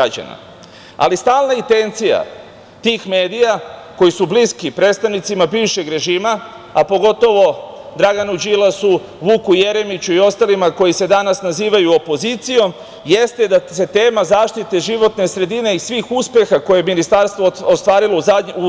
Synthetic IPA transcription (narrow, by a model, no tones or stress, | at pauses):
ɡɾad͡ʑa̰na̰ | a̰list̪aːlˠnait̪e̞nt̪sija̰ | t̪iːxme̞ːd̪ijako̞jisubliskipɾed̪st̪aʋnit̪simabiːʋʃe̞ɡɾe̞ʒiːma | apo̞ɡo̞t̪o̞ʋo̞d̪ɾaɡanud͡ʑilasu | ʋukuje̞ɾe̞mit͡ɕuio̞st̪alimako̞jise̞d̪anasnaziːʋajuo̞po̞zit̪sijo̞m | je̞st̪ed̪ase̞t̪e̞ːmazaːʃt̪it̪e̞ʒiʋo̞t̪nesɾe̞d̪ine̞isʋiːxuspe̞xako̞jeminist̪aɾst̪ʋoost̪ʋaːɾiloaɲu